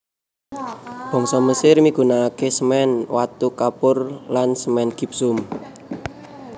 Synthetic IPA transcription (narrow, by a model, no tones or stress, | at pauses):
b̥ɔ̤ŋsɔməsɪrmiɡ̥ṳnakesəmɛnwat̪ukapʊrlansəmɛnɡ̥i̤p̚sʊm